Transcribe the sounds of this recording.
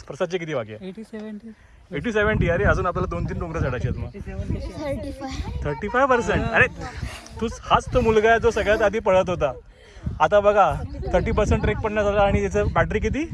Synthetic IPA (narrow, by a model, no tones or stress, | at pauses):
pɾəsad̪̚t͡ɕiːkit̪iːʋaɡja | eʈiːseʋəɳʈiːəɾeəd͡zuːnapljalad̪ont̪iːnkɔ̃ŋɡɾesaɽajt͡ɕat̪maɡ | t̪ʰəɾʈiːfajʋpəɾseɳʈəɾet̪ut͡shat͡st̪omulɡajad͡zosəɡɭjat̪ad̪ʱiːpəɭət̪ɦot̪a | at̪ãbəɡat̪ʰəɾʈiːp̬əɾsəɳʈɾek̚pəɳjasalaːɽ̃it̪at͡səbæʈɾiːk̬it̪̬iː